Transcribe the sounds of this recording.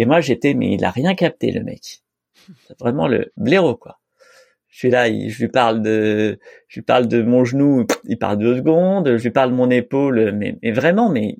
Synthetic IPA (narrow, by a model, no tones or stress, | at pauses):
emwaʒet̪ɛmɛ̰ilʔa̰ʁjɛ̃kap̚t̪ḛlə̰mɛ̰k | vʁɛmɑ̰̃lə̰bleʁokwa | ʒəsɥilaḭʒəlɥipaʁld̪əʒəɥipa̰ʁld̪əmɔ̃ʒənuilpa̰ʁld̪øzɡɔ̃d̪ʒəlɥipaʁld̪əmɔ̃nepolmɛ̰mɛvʁɛmɑ̃mɛ